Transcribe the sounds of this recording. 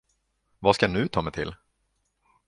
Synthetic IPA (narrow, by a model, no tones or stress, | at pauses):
vaskanɵ̟t̪ʰɑːmɛt̪ʰɪl